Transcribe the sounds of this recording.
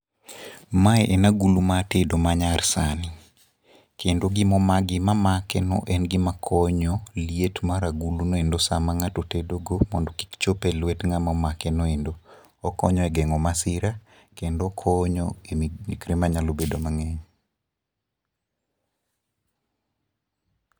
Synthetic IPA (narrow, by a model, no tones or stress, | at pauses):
maɛʔɛnaɡulumatedomaɲarsanɪ | kendoɡɪmɔmaɡɪmamakɛnɔ̰ʔɛnɡɪmakʰɔɲɔlietmaɾaɡulunoendosamaŋatotedoɡomɔ̰ndɔki̥kt͡ʃopelwɛtŋamɔmakɛnoendo | ɔkɔ̰ɲɔɛɡɛŋɔmasɪɾa | kendokʰɔɲɔemikɾemaɲalobedomaŋɛɲ